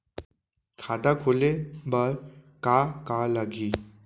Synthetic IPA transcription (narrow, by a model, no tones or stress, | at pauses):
kʰad̪akʰolebəɾ | kakalaɡiː